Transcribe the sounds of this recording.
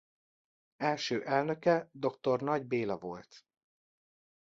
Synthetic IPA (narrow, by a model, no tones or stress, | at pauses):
ɛlʃøːʔɛlnø̞kɛd̪o̞kt̪o̞rnɒɟbeːlɒvo̞̰lt̪